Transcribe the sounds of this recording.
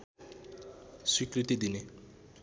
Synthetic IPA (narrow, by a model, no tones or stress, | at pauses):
swikɾit̪id̪ine